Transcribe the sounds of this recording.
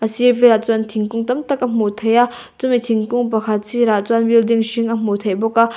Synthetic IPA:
asiveɾat͡swant̪ʰiŋkuŋt̪amt̪akam̥ot̪ʰaja | t͡sumet̪ʰiŋkuŋpakʰat͡sʰiɾat͡swanbild̪iŋʃiŋam̥ot̪ʰabokːa

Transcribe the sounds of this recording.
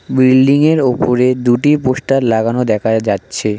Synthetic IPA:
bɾilɖiŋeɾopoɾed̪uʈipoʃʈaɾlaɡanod̪ɛkʰad͡ʑatːɕʰe

